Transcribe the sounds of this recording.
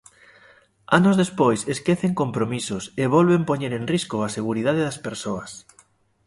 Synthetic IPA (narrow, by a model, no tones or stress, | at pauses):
anozðespojseskeθeŋkompɾomisʊseβolβempoɲeɾeŋriskoaseɣ̞uɾiðaðeðaspeɾsoɐs